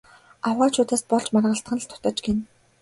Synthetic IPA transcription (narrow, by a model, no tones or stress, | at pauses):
awʁaːt͡ɕʰʊːt̪aːspɔɮt͡ɕmarʁə̆ɬt̪χə̆nɮt̪ʰʊ̥t̪ə̆ːt͡ɕɡen